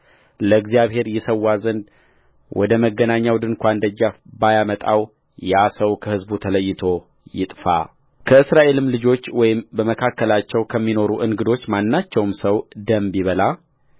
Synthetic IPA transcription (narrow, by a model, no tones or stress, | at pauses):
ləɡzijaβhe̞ɾjɛsəwːazənd̪ | wʔɔ̰d̪əməɡːənaɲːawd̪ɨnkʷand̪əd͡ʒːafbajamət̪ʼa̰w | jasəwkʰəhɨzbut̪ʰələjːɪt̪ʰo̞ | jɪt̪ʼfa̰ | kʰəɨsɾaʔe̞lɨmlɨd͡ʒo̞t͡ʃːwɔjɪmbəməkʰakːəlat͡ʃːɛwkʰəmːino̞ɾuʔɨŋɡɨd̪o̞t͡ʃːmanːat͡ʃːɛwmsəwd̪əmbiβəla